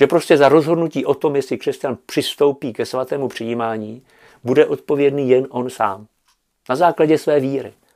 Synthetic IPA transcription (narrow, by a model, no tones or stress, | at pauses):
ʒɛpɾo̞scɛzaɾo̞zɦo̞dnuciːʔo̞t̪o̞mjɛslɪkr̥ɛscanpr̝̥ɪst̪o̞wpiːkɛsvat̪ɛːmupr̥ɪjimaːɲiː | budɛʔo̞t̪̚po̞vjɛdniːjɛnʔo̞nsa̰ːm | nazaːklaɟɛsvɛːviːɾɪ̰